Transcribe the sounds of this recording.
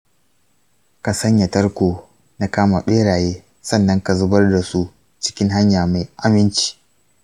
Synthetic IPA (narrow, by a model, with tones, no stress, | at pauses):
ka˨sɐ˦ɲja˨tɐ˦rkʷoː˨ | na˦kaː˦ma˨ɓeː˦ɽaː˨jeː˦ | sɐ˦˨nːɐ˦ŋka˨zʊ˦bɐ˦rda˨su˦ | t͡ʃɪ̥˦kʲɪ˦ŋɦa˦ɲjaː˨ma˨jʔa˦mɪ˦nt͡ʃi̥ː˨